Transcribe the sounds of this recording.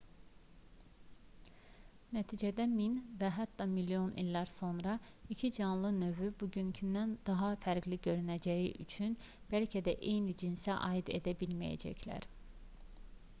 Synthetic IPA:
næt̪ʰiːd͡ʒæd̪æminvæɦæt̪ːɑmilːijo̞nḭlʲːæɾso̞nɾɑicʰid͡ʒɑnlˠɯnø̞vybuɟyncʰynd̪ænd̪ɑɦɑfæɾɡliɟø̞ɾynæd͡ʒæjḭʔyt͡ʃʰyn | b̥ælcʰæd̪æʔe̞jnid͡ʒinsæʔɑ̰id̪e̞̰d̪æbilmæjæ̰d͡ʒæ̰cʰlæ̰ɾ

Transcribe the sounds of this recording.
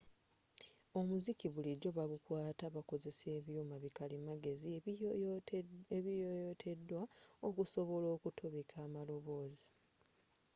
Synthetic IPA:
o̞muzikiβuliɟo̞βaɡukwaːtaβako̞ze̞se̞ːβjumaβikalimaɡe̞zi | eβijotʰe̞dːwaokuso̞βo̞lo̞ːkutʰoβikʰaːmalo̞βo̞ːzi

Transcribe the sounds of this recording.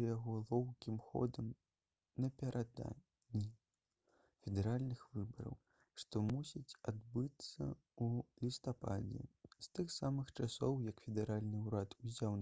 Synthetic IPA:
jaɣɔlˠɔwkʲimxɔ̰d̪ɐm | nɐpʲɛɾʔad̪a̰ | nʲːi | fʲɛd̪ɛɾalʲnɨxvɨbɐɾɐ̰w | ʂt̪ɔmusʲit͡sʲad̪bɨt̪sːɐ̰ | ulʲist̪apa̰d͡zʲɛ̰st̪ɨxsamɨxt͡ʂasɔwjɐkfʲɛd̪ɛɾalʲnɨuɾat̪uzʲaw

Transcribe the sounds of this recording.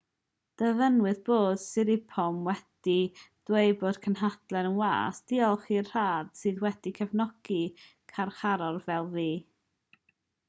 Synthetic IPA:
d̥əvənwɨðboːd̥sɪɾɪpʰɔmwɛd̥id̥wejboːd̥kʰənɦad̥lˠɛnənwa̰ːsd̥iɔlˠχirr̥aːd̥sɨːðwɛdikʰəvnɔɡ̥i | kʰarχaɾɔrvɛlˠðiː

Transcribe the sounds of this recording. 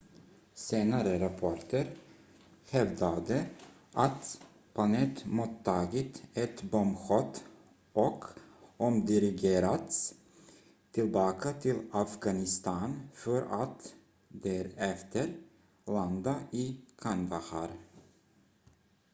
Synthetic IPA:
seːnaɾəɾɑpʰɔʈəɾ | hɛvd̪ad̪ə | ʔat̪ | p̪ʰɑnɛt̪mɔt̪ʰːɑːɡət̪ɛt̪bɔmɧɔt̪ | ʔɔkɔmd̪ɪɾɪɡeːɾat̪s | t̪ʰɪlbɑːkʰat̪ʰɪlafɡɑnɪst̪ɑːnfœɾat̪ | d̪æɾɛft̪əɾ | land̪aɪkʰɑnd̪ahɑɾ

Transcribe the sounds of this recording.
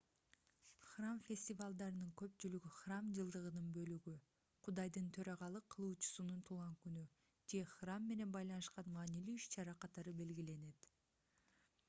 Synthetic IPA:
χramfʲe̞sʲtʲivalˠd̪ɑɾɯnɯŋkø̞pt͡ʃylyɡyχramd͡ʒɯlˠd̪ɯʁɯnɯnbø̞lyɡy | qʰud̪ɑjd̪ɯnt̪ʰø̞ɾɑʁɑlˠɯqʰːɯlˠuːt͡ʃu̥sununt̪ʰulˠʁɑŋkyny | d͡ʒe̞χramːe̞ne̞nbɑjlˠɑnɯʃqɑnmɑːnilyːʃt͡ʃɑɾɑqʰɑt̪ɑɾɯbe̞lɡile̞ne̞t̪

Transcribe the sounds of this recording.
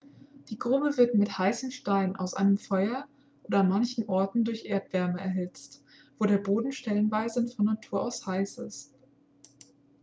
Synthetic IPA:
d̥iːɡʁʊbəvɪɐtmɪthaɪsəm̩ʃtaɪnʔa̰ʊsʔa̰ɪnəmfɔʏɐ | ʔoːdɐanmançn̩ʔɔɐtn̩dʊɐçʔeːɐtv̥ɛɐməɛɐɦɪt͡st | v̥oːɾeːɐboːdn̩ʃtɛlənvaɪzəʊntfɔnːatʰuːɐʔaʊshaɪsɪ̰st

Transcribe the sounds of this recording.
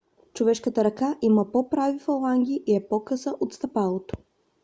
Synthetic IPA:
t͡ʃovɛʃkət̪əɾɐkaʔiməpopɾavifɐlˠaŋɡʲiʔiɛpɔkɤsəʔot̪st̪ɐpalˠot̪o̥

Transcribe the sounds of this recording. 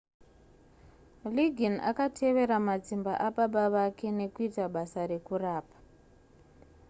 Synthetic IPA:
liɡʱina̰katʰe̞ʋe̞ɾamad͡zimba̰ʔaɓaɓaʋake̞ne̞kuitaɓasaɾe̞kuraːpḁ

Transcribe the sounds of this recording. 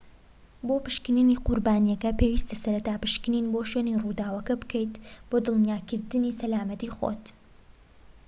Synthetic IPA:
boːpɨʃkɨniniːqʊɾbaːnijɛkɐpeːwist̪asɐɾɐt̪aːpɨʃkɨninboʃwenirud̪aːwɐkɐbɨkɛjt̪b̥oːd̪ɨlˠnijaːkɨɾd̪ɨnisɐlaːmɐt̪iːxo̰t̪

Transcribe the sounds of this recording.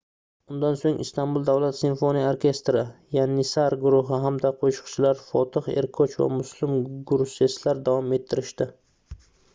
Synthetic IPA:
ʊnd̪ansoŋɪ̰st̪anbʊlˠd̪avlat̪sɪnfonijaoɾkʲe̞st̪ɾɪjanːɪsaɾɡʊɾʊɦɪɦamd̪aqʰoʃʊ̥qt͡ʃʰɪlaɾfɒt̪ʰɨχe̞̰ɾkʰot͡ʃva̰mʊslˠɪmɡʊɾʊseslaɾd̪avɒme̞t̪ʰːɪɾɪʃt̪ɪ

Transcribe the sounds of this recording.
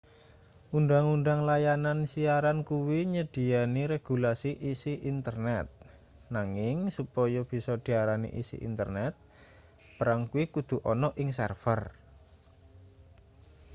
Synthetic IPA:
ʔunɖ̪aŋund̪aŋlajanansiaɾankuwiɲəd̪̥i̤aniɾeɡ̥ṳlasiʔisiʔint̪ərnɛt̪̚ | naŋɪŋsupɔjɔb̥i̤sɔd̪̥i̤aɾanḭʔḭsḭʔḭnt̪ərnɛt̪̚ | b̥əɾaŋkuwikud̪̥ṳʔɔnɔʔɪŋs̬ɛ̰rfər

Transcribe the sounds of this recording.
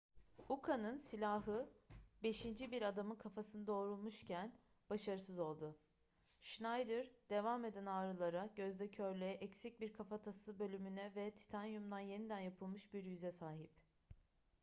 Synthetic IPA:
ukʰanɯnsilʲaɦɯbe̞ʃind͡ʒibiɾad̪amɯnkʰafasɯnɯd̪o̞ːɾulˠmuʃcʰæn | b̥aʃaɾɯsɯzo̞lˠd̪ʊ | ʃnajd̪ɯɾd̪e̞vame̞d̪ænaːɾɯlˠaɾaɟøzd̪ʲɛcʰøɾlʲɛʔɛcsic̚biɾkʰafat̪ʰasɯbø̞lʲymynɛvɛt̪ʰi̥t̪ʰanjumd̪anje̞nid̪ænjapʰɯlˠmɯʃbiɾjyzɛsaːɦip

